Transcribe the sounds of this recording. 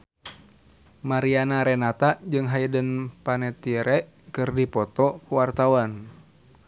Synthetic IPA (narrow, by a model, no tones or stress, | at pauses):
maɾianaɾɛnat̪ad͡ʒɨŋɦaidənpanɛt̪iɾɛʔ | kɨrdipɔt̪ɔkuwart̪awan